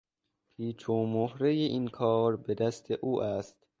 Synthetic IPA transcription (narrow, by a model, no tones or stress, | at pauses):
pʰiːt͡ʃʰoːmohɾejeʔiːnkʰɒːɾbe̞d̪æst̪ʰeʔuːʔæst̪